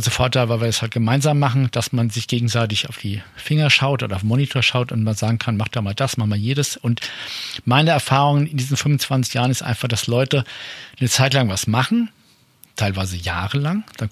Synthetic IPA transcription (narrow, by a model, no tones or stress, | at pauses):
zəfɔɐtʰaɪlvaɪviːɐdashalt̚ɡ̥əmaɪnzaːmːaχn̩d̥asmanzɪçɡ̥eːɡŋ̩zaɪtɪçaʊfd̥iːfɪŋɐʃaʊtʔoːdɐaʊfmonitʰoːɐʃaʊtʊntmanzaːɡŋ̩kʰanmaχd̥aːmaːld̥asmaχtmaːljeːdəsʊntmaɪnəɛɐfaːʁ̞ʊŋənɪndiːzn̩fʏnmvʊnt͡sv̥ant͡sɪçjaːʁ̞ənɪstʔa̰ɪnfaχd̥aslɔʏtənət͡saɪtlaŋvasmaχn̩ | tʰaɪlvaɪzəjaːʁəlaŋd̥an